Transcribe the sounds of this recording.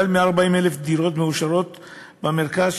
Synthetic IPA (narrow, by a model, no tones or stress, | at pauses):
almeaʁbaimelefd̪iɾo̞t̪meuʃaʁo̞t̪ | bameʁkazʃ